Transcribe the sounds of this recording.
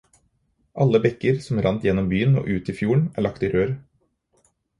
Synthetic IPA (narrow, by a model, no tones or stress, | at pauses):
ʔɑlːəbɛkəɾsɔmɾɑnt̪jɛnːɔmbyːəno̰ːʔʉːt̪iːfjuːəɳæ̰ːɭɑkt̪iːɾøːɾ